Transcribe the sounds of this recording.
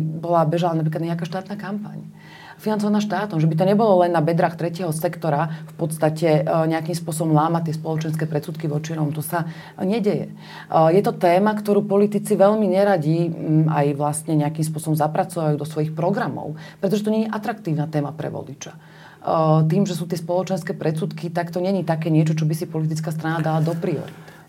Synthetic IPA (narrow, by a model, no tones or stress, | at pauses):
bɔlabɛʒalanapɾiklad̪ɲɛakaːʃt̪aːt̪naːkampa̰ɲ | finant͡sɔʋanaːʃt̪aːt̪ɔmʒɛbit̪̬ɔɲɛbɔlɔlɛnːabɛd̪ɾaːxt̪ɾɛcɪɛɦɔsɛkt̪ɔɾafpɔt̪st̪acɛɲɛakiːmspʊɔsɔbɔmlaːmat̪ːɪɛspɔlɔt͡ʃɛnskɛːpɾɛt̪suːt̪̚kiʋɔt͡ʃiɾɔmut̪ɔsa | ɲɛɟɛjɛ̰ | jɛt̪ɔt̪ɛːmakt̪ɔɾuːpɔlit̪it͡siʋɛʎmiɲɛɾaɟia̰jʋlast̪ɲɛɲɛakimspʊɔsɔbɔmzapɾat͡sɔʋajuːd̪ɔsʋɔjixpɾɔɡɾamɔ̰ʊpɾɛt̪ɔʒɛt̪ɔɲɛɲiʔat̪ɾakt̪iːʊnat̪ɛːmapɾɛ̰ʋɔ̰lit͡ʃḁ | t̪iːmʒɛsuːt̪ɪɛspɔlɔt͡ʃɛnskɛːpɾɛt͡suːt̪kit̪akt̪ɔɲɛɲit̪akɛːɲɪɛt͡ʃɔt͡ʃɔbisipɔlit̪̬it͡skaːst̪ɾanad̪alad̪ɔpɾiɔ̰ɾḭt̪